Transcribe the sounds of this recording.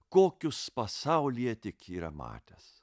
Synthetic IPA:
koːkʲʊspɐsɐʊlʲijɛt̪ʲɪkiːɾɐ̰mɑ̰ːt̪ʲes

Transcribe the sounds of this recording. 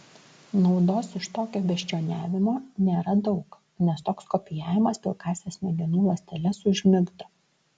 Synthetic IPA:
nɒʊd̪oːsɪʃt̪oːkʲoːbʲɛʃʲt͡ʃʲoːnʲæːʋʲɪmoːnʲeːɾɐd̪ɒʊk | nʲɛst̪oːkskɔpʲɪjæːʋʲɪmɐspʲɪlˠkɑːsʲeːsmʲɛɡʲɪnuːlˠɐsʲt̪ʲɛlʲɛsʊʒʲmʲɪɡd̪ɐ

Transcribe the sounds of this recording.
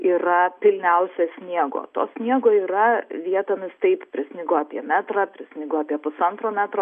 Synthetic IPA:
iːɾɐpʲɪlʲnʲɛʊsʲɛsʲnʲiɛɡo̰ːt̪o̰ːsʲnʲiɛɡoːiːɾɐʋʲiɛt̪oːmʲɪst̪ɐɪppʲɾʲɪsʲnʲɪɡʊɑːpʲiɛmʲæːt̪ɾɐpʲɾʲɪsʲnʲɪɡʊɑːpʲiɛpʊsɐnt̪ɾoːmʲæːt̪ɾoː

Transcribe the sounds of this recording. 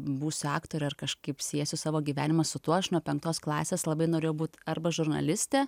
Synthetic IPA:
buːsʲʊɑːkt̪oːɾʲɛɐrkɐʃkɐɪpsʲiɛsʲʊsɑːʋoːɡʲiːʋʲæːnʲɪmɐsʊt̪uɔɐʃnuɔpʲɛŋk̚t̪oːsklˠɑːsʲeːslˠɐbɐɪnoːɾʲeːjɛʊbuːt̪ɐrbɐʒʊrnɐ̰lʲɪsʲt̪ʲeː

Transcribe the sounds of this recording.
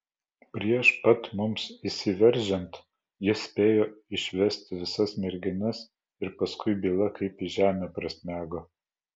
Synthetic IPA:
pʲɾʲiɛʃpɐt̪mʊmsisʲɪʋʲɛɾʲˑʒʲɛnt̪ | jɪsʲpʲeːjoːɪʃʲʋʲɛsʲt̪ʲʋʲɪsɐsmʲɛɾʲɡʲɪnɐs | ɪɾpɐskʊɪbʲiːlˠɐkɐɪpiʒʲæːmʲeːpɾɐsʲmʲæːɡoː

